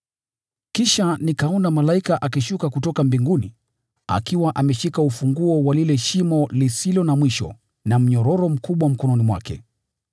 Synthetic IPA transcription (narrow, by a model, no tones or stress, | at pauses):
kiʃanikaɔnamalaikaʔakiʃukakutɔkambiŋɡuni | a̰kiwaʔamɛʃikaufuŋɡuɔwalilɛʃimɔlisilɔnamwiʃɔ̰ | nam̩ɲɔɾɔɾɔm̩kuɓwam̩kɔnɔnimwa̰kɛ̰